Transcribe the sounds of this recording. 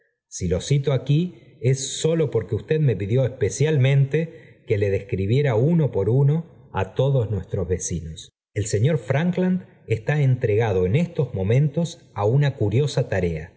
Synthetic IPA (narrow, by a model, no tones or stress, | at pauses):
silo̞sit̪oaki | e̞sːo̞lo̞po̞ɾkeust̪e̞ðme̞piðjo̞espe̞sjalmẽ̞nt̪e̞ke̞le̞ð̞e̞skɾiβ̞je̞ɾauno̞po̞ɾuno̞ | a̰t̪o̞ðo̞znwe̞st̪ɾo̞zβe̞sinos | e̞lse̞ɲo̞ɾfɾaŋkland̪ | est̪aent̪ɾe̞ɣ̞að̞o̞enest̪o̞zmõ̞mẽ̞nt̪o̞s | aunakuɾjo̞sat̪aɾe̞a